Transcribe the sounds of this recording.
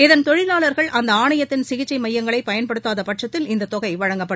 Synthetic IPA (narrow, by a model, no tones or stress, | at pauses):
ɪðɐnt̪ɔɻɪlaːlɐɾɣɐɭʔɐnd̪ɐaːɳɐjɐt̪ːɪnsɪɣɪt͡ʃːɐɪmɐjːɐŋɡɐɭɐɪpːɐjɐnpɐɽɯt̪ːaːðɐpɐʈʂɐt̪ːɪlɪnd̪ɐt̪ːɔɣɐɪʋɐɻɐŋɡɐpːɐɽ